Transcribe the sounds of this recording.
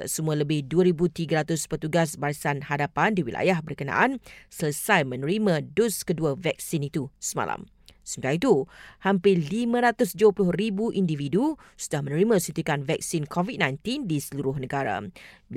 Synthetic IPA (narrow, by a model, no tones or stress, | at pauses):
səmũãləbɪhduəɾibut̪iɡəɾat̪ʊspət̪uɡas̬baɾisanhadapandiwilʔa̰jahbərkənã̰ʔansələsajmə̃nəɾimãdʊskəduəvɛk̚sinit̪usəma̰lʔa̰m | səmət̪iaɾait̪uhampɪlimə̃ɾat̪ʊsd͡ʒuəplʊhribuʔindividusudahmə̃nəɾimãsint̪ikanvɛk̚sɪnkʰɔvit̚nãjnt̪indisəluɾʊhnə̃ɡaɾa̰